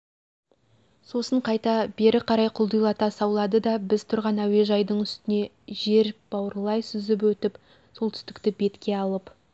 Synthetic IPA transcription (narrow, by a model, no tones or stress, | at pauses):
so̞səɴqʰɑjt̪ɑbe̞ɾɪqʰɑɾɑjqʰʊlˠd̪əjlˠɑt̪ɑsɑwlˠɑd̪əd̪ɑbɪz̥t̪ʰʊɾʁɑnæwe̞ʒɑjd̪əɴʏst̪ɪne̞ | ʒe̞ɾb̥ɑwəɾlˠɑjsʏzɪp̬wɵt̪ɪp | so̞lˠt̪ʰʏ̥st̪ɪ̥kt̪ɪbe̞t̪kʲe̞ɑlˠəp